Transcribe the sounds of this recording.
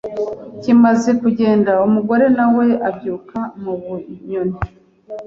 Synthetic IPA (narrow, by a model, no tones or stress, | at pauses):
cimaze̞kuɟe̞ːndaumuɡo̞ɾe̞nawe̞abjuːkamuβuɲone